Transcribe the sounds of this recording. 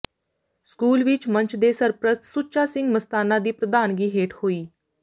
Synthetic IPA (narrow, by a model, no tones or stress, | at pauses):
skuːlʋɪt͡ʃmə̃ɲt͡ʃd̪eːsəɾpɾəst̪sut͡ʃaːsɪ̃ŋɡməst̪aːnãːd̪iːpɾəd̪aːnɡiːɦeːʈhoːiː